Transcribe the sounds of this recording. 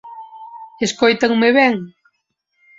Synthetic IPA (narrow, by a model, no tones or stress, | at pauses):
eskojt̪aŋmeβɛŋ